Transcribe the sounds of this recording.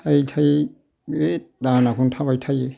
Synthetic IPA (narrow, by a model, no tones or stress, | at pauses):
ajtʰaj | ed̪anakʰuntʰabajtʰaje